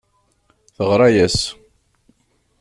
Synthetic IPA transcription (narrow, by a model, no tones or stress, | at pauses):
θəʁɾˤɑjæs